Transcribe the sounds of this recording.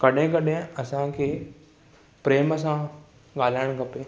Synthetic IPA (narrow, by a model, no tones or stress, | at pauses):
kɐɗɦẽk̬ɐɗẽɐsãkʰeː | pɾeːməs̬ã | ɠaːl̤aːɪɽ̃kɐpeː